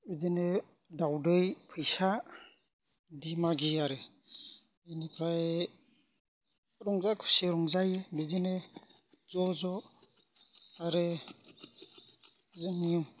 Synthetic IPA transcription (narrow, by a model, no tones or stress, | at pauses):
bizinɯ | dawdɯjpʰɯjsa | dimaɡiaɾɯ | enikʰaj | ɾɔŋzakʰu̥seɾɔŋzajebizine | zɔzɔ | aɾɯ | zɯŋim